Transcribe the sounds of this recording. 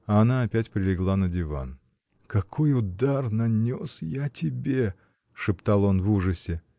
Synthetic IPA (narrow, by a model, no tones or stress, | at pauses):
ɐɐnaɐpʲætʲpɾʲɪlʲɪɡlˠanədʲɪva̰n | kɐkʰo̞jʊd̪arnɐnʲo̞sjatʲɪbʲe | ʂɨpt̪alˠo̞nvuʐɨsʲɪ